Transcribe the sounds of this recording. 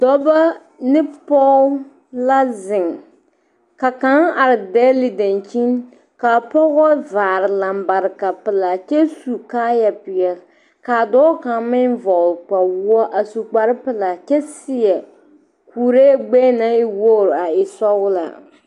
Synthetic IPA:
dɔ˦ba˦ | nɪ˦pɔ˦ | la˦zɪ˨ŋ | ka˨ka˦ŋa˨ɾɪ˨dɛ˦li˨da˨nt͡ʃi˦n | ka˨pɔ˦ɣɔ˦vaː˨ɾɪ˨la˨m˨ba˨ɾɨ˨ka˨pɪ˨la˨t͡ʃɛ˦su˨kaː˦ja˨pɪ˨jɛ˨l | ka˨dɔː˦ka˨ŋmɪ˦nvɔ˨k͡pa˨wu˦ɔ˦ʔa˨su˨k͡pa˨ɾɪ˦pɨ˨la˨t͡ʃɛ˦sɪ˦jɛ˨ | kuː˨ɾe˦ɡ͡bɛ˦na˦ɪ˦wo˦˨ɾa˨ɪ˨sɔ˦wʊ˦la̰˨

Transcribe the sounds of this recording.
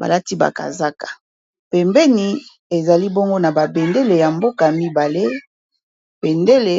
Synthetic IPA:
ba̰˨la˦ti˦ba̰˨ka̰˨za˦kḁ˨ | pɛ˨mbɛ˦ni˨ | e˨za˨li˦bo˦ŋɡo˦na˨ba˨be˨nde˦le˨ja˨mbo˦ka˨mi˦ba˨le˦ | be˨nde˦le˨

